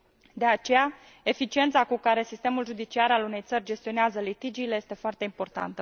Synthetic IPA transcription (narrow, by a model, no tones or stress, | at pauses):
d̪e̞at͡ʃe̞ja | e̞fit͡ʃie̞nt̪sakukaɾe̞sist̪e̞mulʒud̪it͡ʃiaɾalune̞jt̪sərʲd͡ʒe̞st̪io̞neazəlit̪id͡ʒiːlejest̪e̞foart̪e̞impo̞rt̪a̰nt̪ə